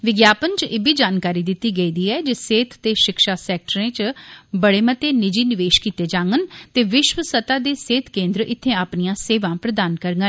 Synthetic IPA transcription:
ʋɪɡjaːpənt͡ʃeːbiːd͡ʒaːnkaːɾiːd̪ɪt̪ːiːɡəiːd̪iːɛːd͡ʒeseːt̪ʰt̪eːʃɪkʃaːsɛːk̚ʈəɾẽːt͡ʃbəɽeːmət̪eːnɪd͡ʒiːnɪʋeːʃkiːt̪eːd͡ʒãːŋɡənt̪eːʋɪʃʋəsət̪aːd̪eːseːt̪ʰkẽːnd̪ɾəʔɪt̪ʰːẽːaːpnijãːseːʋãːpɾəd̪aːnkəɾŋɡə

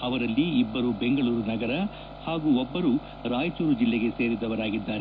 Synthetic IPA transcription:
ɐʋɐɾɐlːiːbːɐɾube̞ŋɡɐɭuːɾunɐɡɐɾɐ | haːɡuːɔbːɐɾu | ɾaːjt͡ʃuːɾud͡ʒilːeɡe̞seːɾid̪ɐʋɐɾaːɡid̪ːaːɾe

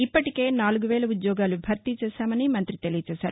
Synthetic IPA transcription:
ipːɐʈike̞ːnaːluɡuʋɛːɭɐud̪jɔːɡaːlubʱɐɾt̪it͡ʃɛːʃaːmɐnimɐnt̪ɾit̪e̞lijɐt͡ʃɛːʃaːɾu

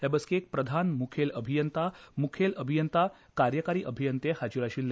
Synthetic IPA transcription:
t̪ɛbəskiek̚pɾəd̪ʱanmukʰeləbʱijənt̪amukʰeləbʱijənt̪a | kaɾjəkaɾiːʔəbʱijənt̪ehad͡ʑuɾaɕiːlː

